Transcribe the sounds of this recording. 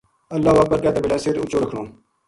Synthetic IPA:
əlːaːʋəːk̚bəɾkaːt̪eːbɪlaːsɪɾʊt͡ʃoːɾəkʰɳõː

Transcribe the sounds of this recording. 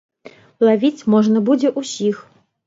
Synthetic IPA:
lˠavʲit͡sʲmɔʐnɐbud͡zʲɛʔusʲix

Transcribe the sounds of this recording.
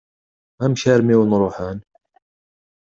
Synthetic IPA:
æmʃæɾmiwnɾˤoħan

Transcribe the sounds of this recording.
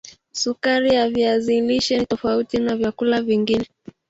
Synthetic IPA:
sukaɾijaviaziliʃɛnitɔfautinavjakulaviŋɡinɛ

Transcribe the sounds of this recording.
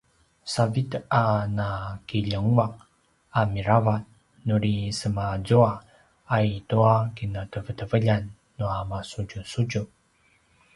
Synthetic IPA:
savit̪anakiʎəŋuak̚ | amiɾavat̚ | nuɾisəmazuaː | ituakinətəvətəvəʎanː | uamasud͡ʒusud͡ʒu

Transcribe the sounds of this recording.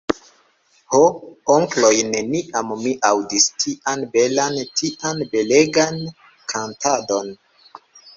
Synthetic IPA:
hooŋklo̞jne̞niʔammiʔawdistʰiʔanbe̞lantʰiʔanbe̞leɡan | kʰantʰado̞n

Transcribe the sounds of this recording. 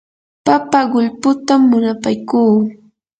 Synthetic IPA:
papaɢʊʎpʊt̪amːʊnapajkuː

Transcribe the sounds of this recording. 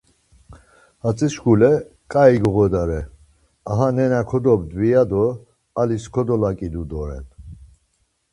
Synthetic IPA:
hat͡sʼiʃɡulɛkʼaiɡɔɣɔd̪aɾɛ | aɦanɛnakʰɔd̪ɔbd̪vijad̪ɔ | aliskʰɔd̪ɔlakʼid̪ud̪ɔɾɛ̰n

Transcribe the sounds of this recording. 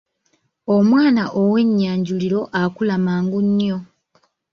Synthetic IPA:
omwaːnaʔowe̞ɲːaːɲɟuliɾo̞ʔakulamaːŋɡuɲːjo̞

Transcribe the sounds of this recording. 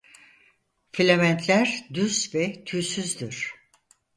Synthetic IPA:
filʲemænt̪ʰlʲæɾd̪ysvɛt̪ʰyːsyzd̪iɾ̥

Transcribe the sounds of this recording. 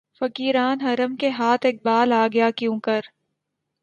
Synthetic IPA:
fɐkiːɾaːnɦɐɾəmkeɦaːt̪ʰɪk̚baːlaːɡɐjakjũːkəɾ

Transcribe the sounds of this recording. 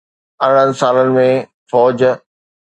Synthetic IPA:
ɐ̃n̤ɽə̃nɪ̆saːlənɪ̆mẽ | fɔːd͡ʑ

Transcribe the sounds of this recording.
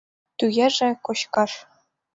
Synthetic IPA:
t̪ujeʐɘ̆kŏɕkɑʂ

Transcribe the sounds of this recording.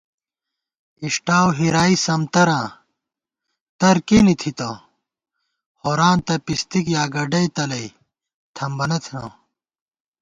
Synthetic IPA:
iʂʈaːwɦiɾaːisɐmt̪ɐɾãː | t̪ɐɾkenit̪ʰit̪ɐ̃ː | hoɾaːnt̪ɐpist̪ikjaːɡɐɖɐjt̪ɐlɐj | t̪ʰɐmbɐnɐt̪ʰnã̰ː

